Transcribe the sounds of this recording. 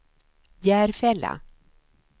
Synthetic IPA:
jæːɾfɛlːa̰

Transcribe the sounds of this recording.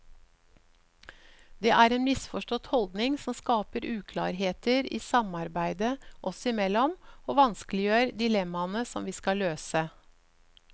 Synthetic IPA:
d̪eːʔæːɾeːnmɪsfɔʂʈɔt̪hɔld̪nɪŋsɔmskɑːpəɾʉːkʰlɑ̰ːɾɦeːt̪əɾḭːsɑmɑɾbæɪd̪əʔɔsɔɪmɛlːɔmoːʋɑnsklɪjøːɾd̪ɪlɛmːɑnəsɔmʋiːskɑløːsə

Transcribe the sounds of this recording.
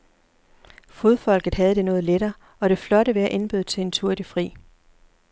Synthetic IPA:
foð̞ˠfɒ̽l̰ɡ̥ð̩ˠɦæð̞̩ˠd̥e̝nɔ̽ːð̩ˠleɾɐː | ɒ̽ɾ̥e̝flɒ̽ɾəʋeæʔe̝nb̥yð̞̩ˠt͡sʰe̝e̝nt͡sʰuɐ̰d̥ifʁḭː

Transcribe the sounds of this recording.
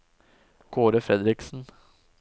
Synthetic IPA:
ɡ̥oːɾəfɾɛd̪ɾɪksn̩

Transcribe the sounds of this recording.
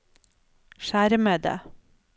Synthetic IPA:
ʃæːɾəmeːd̪ə̰

